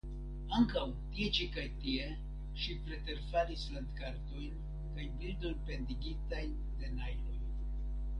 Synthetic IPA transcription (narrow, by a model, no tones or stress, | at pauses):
aŋkaw | tie̞t͡ʃikajtie̞ | ʃipɾe̞te̞ɾfalisland̪kaɾto̞jn | kajbildo̞jnpe̞ndiɡitajn | de̞najɾo̞j